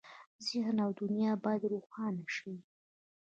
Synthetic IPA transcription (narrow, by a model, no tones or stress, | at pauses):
zɪhnawd̪ʊnjɑbɑjd̪ɾuxɑnaʃiwi